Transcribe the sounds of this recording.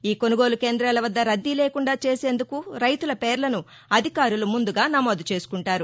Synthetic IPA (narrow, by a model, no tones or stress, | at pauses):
iːko̞nuɡo̞ːluke̞ːnd̪ɾaːlɐʋɐd̪ːɐɾɐd̪ːileːkuɳɖaːt͡ʃe̞ːse̞ːnd̪ukuɾɐjt̪ulɐpeːɾlɐnu | ɐd̪ʱikaːɾulumund̪uɡaːnɐmo̞ːd̪ut͡ʃe̞ːsu̥kuɳʈaːɾu